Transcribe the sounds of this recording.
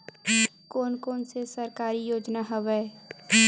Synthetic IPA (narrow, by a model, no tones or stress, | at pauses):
koːnkoːnsesəɾkaːɾijoːd͡ʒnaɦəʋɛː